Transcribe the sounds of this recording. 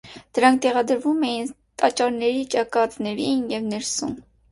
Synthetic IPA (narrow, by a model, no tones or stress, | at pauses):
d̪̥əɾɑŋk̚ʰt̪ɛʁɑd̪əɾvumɛjin | t̪ɑt͡ʃɑɾnɛɾit͡ʃɑkɑt̪nɛɾinjɛvnɛɾsṵn